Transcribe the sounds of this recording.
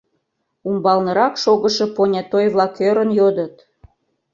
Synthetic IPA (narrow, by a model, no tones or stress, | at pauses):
umbɑlnəɾɑkʃoɣəʃe̽ponʲɑt̪ojβlɑkøɾənjod̪ət̪